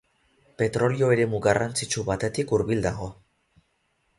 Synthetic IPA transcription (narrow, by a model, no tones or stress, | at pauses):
pe̞t̪ɾo̞lio̞eɾe̞muɣarant͡sit͡ʃuβat̪e̞t̪ikuɾβild̪aɣ̞o̞